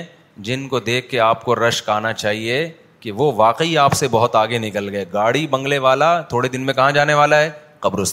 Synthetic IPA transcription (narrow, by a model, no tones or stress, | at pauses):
d͡ʒɪnkod̪eːkʰːeaːp̚koɾɐʃkaːnat͡ʃaːɦie | kiʋoʋaːqəiaːpsebɐɦʊt̪aːɡenɪkəlɡɐeɡaːɽibɐ̃ŋɡleʋaːlat̪ʰoːɽed̪ɪnmẽkɐɦãd͡ʒaːneʋaːlaɦɛː | qɐbɾʊs